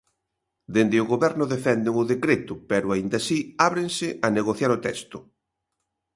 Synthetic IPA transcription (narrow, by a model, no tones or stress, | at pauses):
d̪end̪ɪʊɣoβɛɾnʊðefɛnd̪ɪŋʊðekɾet̪ʊpɛɾʊaind̪asiaβɾeŋsɪʔɐneɣoθjaɾot̪ɛst̪ʊ